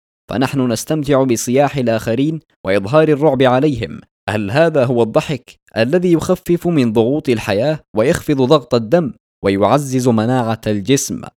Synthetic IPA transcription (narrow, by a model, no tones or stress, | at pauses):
fa̰naħnʊnast̪amt̪ɪʕʊbɪsˤɨjaːħɪlʔaːxaɾiːn | waʔɨðˤɦɑːɾɑrˤːʊʕbɪʕalajɦɪ̰m | halɦaːðaːɦʊwɑd̪ˤːɑħɪk | ʔalːaðiːjʊxafːɪfmɪnðˤʊɣuːt̪ˤalħajaːwajɑxfɨðˤðˤɑɣt̪ˤɑd̪ːamː | wajʊʕazːɪzmanaːʕald͡ʒɪsm